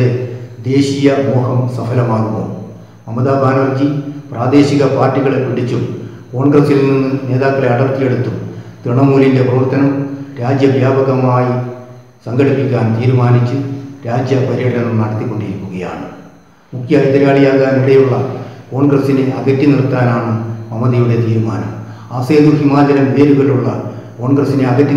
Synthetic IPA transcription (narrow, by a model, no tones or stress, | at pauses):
ed̪e̞ːɕijɐmoːɦɐmsɐfɐlɐmaːɣuɣɐ̰ | mɐmːɐðaːbʱaːnɐrd͡ʑipraːd̪e̞ːɕiɣɐpaːrtːiɣɐɭepiɽit͡ɕːum | ko̞ːɳɡrɐsilniinːɨne̞ːðaːkːɐɭe̞ɐɽɐrt̪ːije̞ɽut̪ːumt̪ɾɨɳɐmuːlinde̞prɐʋɐrt̪ɐnɐmɾaːd͡ʑjɐʋjaːbɐɣɐmaːji | sɐŋɡɐɽipʲːikʲːaːnt̪iːɾumaːnit͡ɕːuɾaːd͡ʑjɐpɐɾieɽɐɐnumnɐɽɐt̪ːikːo̞ɳɖiɾikʲːuɣɐja̰ːɳɨ | mukʰjɐiðɐɾaːɭijaːɣaːniɽɐjuɭːɐko̞ːɳɡrɐsineʔɐ̰ɣɐtːinirt̪ːaːnaːɳɨmɐmɐðijuɽe̞t̪iːɾuma̰ːnɐ̰m | aːse̞ːðuɦimaːd͡ʑɐɾɐmʋeːɾuɣɐɭuɭːɐ̰ | ko̞ːɳɡrɐsine̞ɐɣɐtːi